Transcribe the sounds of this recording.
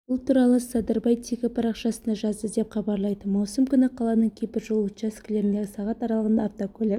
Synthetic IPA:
bʊlˠt̪ʰuɾɑlˠəsɑd̪əɾbɑjt̪ʰikʲɪpʰɑɾɑqʃɑsənd̪ɑʒɑzd̪əd̪e̞pχɑbɑɾlˠɑjd̪əmɑwsəmkʲʏnɪqʰɑlˠɑnəɴkʲʰejpɪɾʒolˠt̪ʃaskʲɪle̞ɾɪnd̪e̞ɡʲɪsɑʁɑt̪ɑɾɑlˠəʁənd̪ɑːft̪okʰɵlʲe

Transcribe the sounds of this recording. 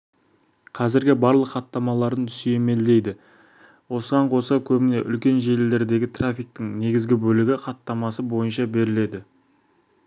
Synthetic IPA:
qʰɑzɪɾɡʲɪbɑɾlˠəqʰːɑt̪ːɑmɑlˠɑɾd̪ənt̪ʰʏsijeme̞ld̪e̞jd̪ɪ | wo̞səʁɑɴqʰo̞səkʲʰɵbɪne̞ʔʏlkʲe̞nʒe̞lɪld̪e̞ɾd̪e̞ɡʲɪt̪ʰrafʲijk̚t̪ɪŋne̞ɡʲɪzɡʲɪbɵlɪɡʲɪqʰɑt̪ːɑmɑsəbo̞jənʃɑbe̞ɾɪle̞d̪ɪ

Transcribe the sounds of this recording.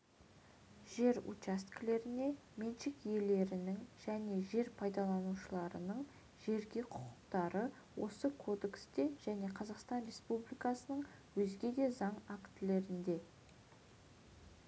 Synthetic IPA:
ʒ̥e̞ɾṵt͡ʃast̪kle̞ɾɪne̞ | menʃɪkje̞le̞ɾɪnɪŋʒ̥æne̞ʒe̞ɾpʰɑjd̪ɑlˠɑnuʃəlˠɑɾə̰nəɴ | ʒe̞ɾɡʲe̞qʰʊqʰəqt̪ɑɾə | wo̞̰səkʰo̞d̪e̞ksd̪e̞ʒ̥æne̞qʰɑzɑqst̪ɑnɾe̞spublijkɑsənəɴwɵzɡʲe̞d̪e̞zɑɴakt̪ɪle̞ɾɪnd̪e̞

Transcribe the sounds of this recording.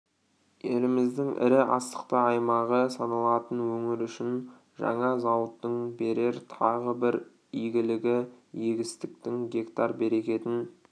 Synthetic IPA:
jelɪmɪzd̪ɪŋʔɪ̰ɾɪʔɑ̰st̪ə̥qt̪əɑjmɑʁəsɑnɑlˠɑt̪ənwɵŋɪɾʏʃɪn | ʒɑ̰ɴɑzɑwət̪ːəɴbe̞ɾe̞ɾt̪ʰɑʁəbɪɾ | ijɡʲɪlɪɡʲɪjeɡʲɪst̪ɪk̚t̪ɪŋɡʲe̞kt̪ɑɾbe̞ɾe̞kʲe̞t̪ɪn

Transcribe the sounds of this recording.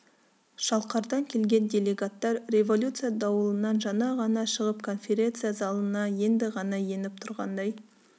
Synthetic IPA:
ʒ̥ɑlˠqɑɾd̪ɑŋkʲʰe̞lɡʲe̞ndʲe̞lʲe̞ɡat̪ːɑɾre̞vo̞lʲut̪sɨjad̪ɑwəlˠənɑnʒɑnɑʁɑnɑʃəʁəpkʰo̞nfʲe̞ɾʲe̞nt̪sɨjazɑlˠənɑje̞nd̪ɪʁɑnɑje̞nɪp̚t̪ʰʊɾʁɑ̰nd̪ɑj

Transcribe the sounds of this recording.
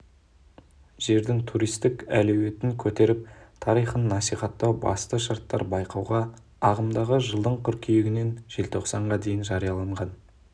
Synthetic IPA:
ʒ̥e̞ɾd̪ɪŋt̪ʰuɾijst̪ɪkæ̰lɵwe̞t̪ɪŋkʲʰɵt̪e̞ɾɪp̚t̪ʰɑɾijχənːɑsijχɑt̪ːɑwbɑ̰st̪əʃɑɾt̪ːɑ̰ɾbɑjqɑwʁɑ | ɑʁəmd̪ɑʁəʒəlˠd̪əɴt̪ʲʰʏɾkʲʰejeɡʲɪne̞nʒ̥e̞lt̪ʰo̞qsɑɴʁɑd̪e̞jɪnʒɑɾijɑlˠɑɴʁɑn

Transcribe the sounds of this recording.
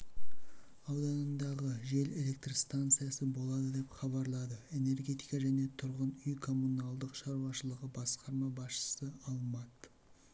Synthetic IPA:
ɑwd̪ɑnənd̪ɑʁəʒe̞le̞le̞k̚t̪rst̪ant̪sɨjasəbo̞lˠɑd̪əd̪e̞pχɑβɑɾlˠɑd̪əe̞ne̞rɡʲe̞t̪ijkɑʒæne̞t̪ʰʊɾʁənʏjkʰo̞mːunɑlˠd̪əqʃɑɾuwɑʃəlˠəʁəbɑsqɑɾmɑbɑsʃə̥səɑlˠmɑt̪

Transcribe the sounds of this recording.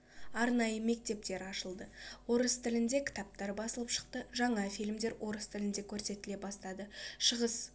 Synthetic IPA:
ɑɾnɑjəme̞k̚t̪e̞p̚t̪e̞ɾɑʃəlˠd̪əwo̞ɾəst̪ʰɪlɪnd̪e̞kʲʰɪ̥t̪ɑp̚t̪ɑɾbɑsəlˠəpʃə̥qt̪əʒɑɴɑfijlmd̪e̞ɾwʔo̞ɾəst̪ʰɪlɪnd̪e̞kʲʰɵɾse̞t̪ɪle̞bɑst̪ɑd̪əʃəʁəs

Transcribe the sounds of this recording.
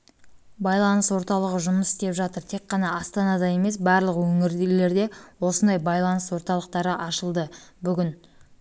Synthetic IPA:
bɑjlˠɑnəswo̞ɾt̪ɑlˠəʁəʒʊməsɪ̥st̪e̞pʒɑt̪əɾt̪ʰe̞kqːɑnɑɑst̪ɑnɑd̪ɑje̞me̞s̬bɑɾlˠəqwɵŋɪɾle̞ɾd̪e̞wo̞sənd̪ɑjbɑjlˠɑnəswo̞ɾt̪ɑlˠəqt̪ɑɾəʔɑʃəlˠd̪əbʏɡʲɪn

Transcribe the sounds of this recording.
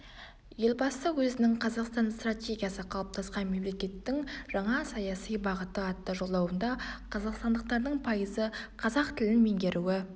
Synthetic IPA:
je̞lʲbɑsəwɵzɪnɪŋqʰɑzɑqst̪ɑnst̪ratʲe̞ɡʲijasəqʰɑlˠəp̚t̪ʰɑsqɑnme̞mle̞kʲe̞t̪ːɪŋʒ̥ɑɴɑsɑjɑsijbɑʁət̪əɑt̪ːɑʒo̞lˠːɑwənd̪ɑqʰɑzɑqst̪ɑnd̪əq̚t̪ɑɾd̪əɴpʰɑjəzəqʰɑzɑq̚t̪ʰɪlɪnme̞ŋɡʲe̞ɾʔuɪ

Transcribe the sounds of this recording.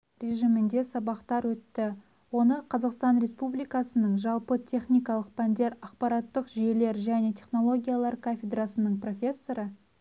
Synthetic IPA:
rʲe̞ʒimɪnd̪e̞sɑbɑqt̪ɑɾwɵt̪ːɪ | wo̞nəqʰɑzɑqst̪ɑnɾe̞spublijkɑsənəɴʒɑlˠpət̪ʲʰe̞χnijkɑlˠəq̚pʰænd̪e̞ɾɑqpɑɾɑt̪ːəqʒije̞le̞ɾʒæne̞t̪ʲʰe̞χno̞lˠo̞ɡʲijalˠɑɾkʰafʲed̪rɑsənəɴpro̞fʲe̞sːo̞ɾə

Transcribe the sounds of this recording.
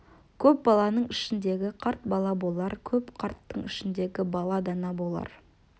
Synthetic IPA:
kʲʰɵp̚bɑlˠɑnəɴɪʃɪnd̪e̞ɡʲɪqʰɑɾt̪̚bɑlˠɑbo̞lˠɑɾkʲʰɵpqʰɑɾt̪ːəɴɪʃɪnd̪e̞ɡʲɪbɑlˠɑd̪ɑnɑbo̞lˠɑ̰ɾ

